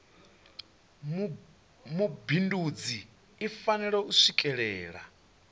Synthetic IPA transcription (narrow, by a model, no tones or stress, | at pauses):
mubindud͡ziː | fanɛɺɛusʷikʼɛɺɛːɺa̰